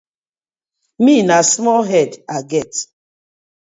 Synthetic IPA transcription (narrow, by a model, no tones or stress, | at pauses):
minasmɔlɦɛdaɡɛt